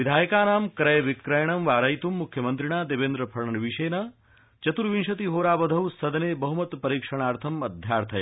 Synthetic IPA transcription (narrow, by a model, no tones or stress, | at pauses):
ʋid̪ʱaːjkaːnaːmkɾɐjʋikɾɐjɳ̃ɐmʋaːɾɐjt̪umːukʰjɐmɐnt̪ɾiɳ̃aːd̪ebeːnd̪ɾɐpʰɐɾɳɐnʋiʃeːnɐ | t͡ʃɐt̪uɾʋinʃɐt̪iɦoːɾaːbɐd̪ʱɐʋsɐd̪ɐneːbɐɦumɐt̪pɐɾiːkʂɐɳ̃aːɾt̪ʰɐmɐd̪ʱjaːɾt̪ʰɐj